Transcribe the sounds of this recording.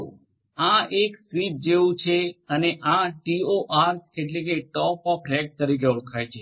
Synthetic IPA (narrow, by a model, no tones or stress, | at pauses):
ãeksʋit͡ʃd͡ʒeʋũt͡ʃʰeəneʔãʈioʔaɾt̪ʰkeʈlek̬eʈɔpɔpʰɾɛk̚t̪əɾik̬euɽkʰajt͡ʃʰe